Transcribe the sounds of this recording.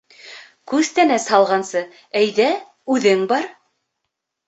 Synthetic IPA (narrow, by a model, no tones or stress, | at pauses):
kʉz̥t̪ænæshɑlˠʁɑnsɤ | æjðæ | ʉðɘŋbɑɾ